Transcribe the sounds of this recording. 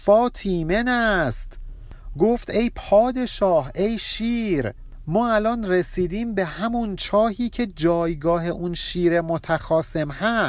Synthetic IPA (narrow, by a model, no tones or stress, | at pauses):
fɒːt̪ʰiːmenæst̪ | ɡoːft̪e̞jpʰɒːd̪e̞ʃɒːhʔejʃiːɾ | mɒːælɒnresiːd̪iːmbe̞hæmunt͡ʃʰɒːhiːcʰe̞d͡ʒɒːjɡɒːɦe̞ʔunʃiːɾe̞mot̪ʰæxɒːse̞mhæs